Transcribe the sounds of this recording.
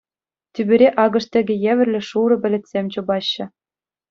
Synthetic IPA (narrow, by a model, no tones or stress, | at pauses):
t̪ʲybʲɘ̆ɾʲeʔɑɡɤ̆ʂt̪ʲĕɡʲɘ̆jeʋʲɘ̆rʲlʲɘ̆ʂuɾɤ̆pʲɘ̆lʲɘ̆t̪ʲsʲemʲt͡ɕɤ̆bɑɕːɤ̆